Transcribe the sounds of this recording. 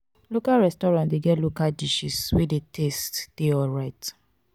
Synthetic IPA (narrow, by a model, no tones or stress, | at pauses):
lokalɹɛstɔɾãndeɡɛtlokaldiʃiswedetʰestd̥eɔɹat